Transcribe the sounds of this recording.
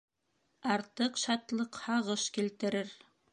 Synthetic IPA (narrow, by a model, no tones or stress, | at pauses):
ɑɾt̪ɤqʃɑt̪lˠɤqhɑʁɤʃkilt̪ɘ̆ɾɘɾ